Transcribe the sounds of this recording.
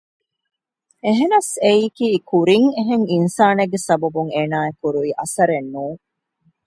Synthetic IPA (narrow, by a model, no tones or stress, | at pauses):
eɦenɐseiːkiːkuɾiŋeɦeŋinsaːneɡːesɐbɐbuŋeːnaːekuɾuiːʔɐsɐɾenːuː